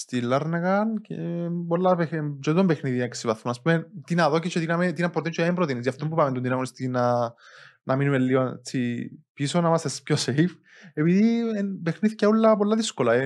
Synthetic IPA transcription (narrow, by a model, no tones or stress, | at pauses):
st̪ilːɐɾnekɐncepolːaped͡ʒ̪id̪ombexniðiɐksivɐθmonɐspumet̪inɐðoket͡ʃːot̪inɐmet̪inɐmpɾoint͡ʃʰːoempɾot̪iniziaft̪ombupamend̪oninɐɣonist̪iinɐ | nʔɐminumelːiont͡sːipisonamɐsespçosejf | epiðipexniθceulːɐpolːaðiskolɐe